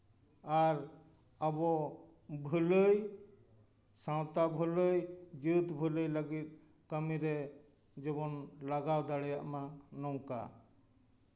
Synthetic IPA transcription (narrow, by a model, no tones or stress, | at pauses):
aɾ | əbɔ | bʱələj | sãwt̪abʱələjd͡ʒut̪bʱələjləɡit̪̚ | kəmiɾɛ | d͡ʒɛbɔnlaɡawd̪aɽɛjaʔmanɔwka̰